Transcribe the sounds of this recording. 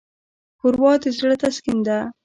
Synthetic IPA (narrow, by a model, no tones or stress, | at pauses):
pʊɾwɑt̪ezɽat̪askɪnd̪a